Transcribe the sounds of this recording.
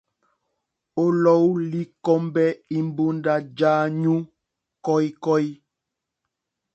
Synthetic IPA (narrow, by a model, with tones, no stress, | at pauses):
o˦lɔ˦wli˦kɔ˦mbɛ˦i˦mbu˦nda˦d͡ʒaː˦ɲũ˦ | kɔ˦jkɔ˦j